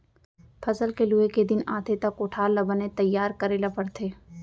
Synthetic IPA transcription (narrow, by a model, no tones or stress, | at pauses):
pʰɐzəlkelueked̪ɪnaːt̪ʰet̪ɐkoʈʰaːlːɐbənet̪ɐjːaːɾkəɾelapəɾt̪ʰeː